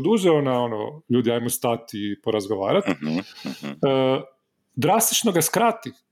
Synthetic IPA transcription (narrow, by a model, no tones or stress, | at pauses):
d̪uːʒɛonaono̰ʎuːd̪iajmost̪at̪ipoɾazɡo̞ʋa̰ːɾat̪ | d̪ɾast̪i̥t͡ʃnoɡaskɾat̪i